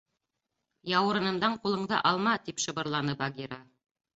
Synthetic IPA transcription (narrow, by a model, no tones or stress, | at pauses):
jɑwɤ̆ɾɤ̆nɤ̆nd̪ɑɴqulˠɤ̆ɴðɤ̰ʔɑlˠmɑt̪ipʃɤ̆bɤ̆ɾlˠɑnɤbaɡʲiɾa